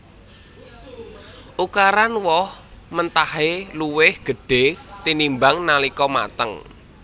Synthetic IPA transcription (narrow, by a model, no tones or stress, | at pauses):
ʔukaɾanwɔhmənt̪aheluwɪhɡ̥ə̤ɖ̥e̤t̪inimbaŋnalikɔma̰t̪əŋ